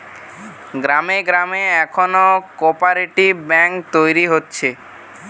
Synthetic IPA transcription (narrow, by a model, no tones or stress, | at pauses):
ɡɾameɡɾameɛkʰonokopaɾiʈibɛŋkt̪ojɾiɦotːɕʰe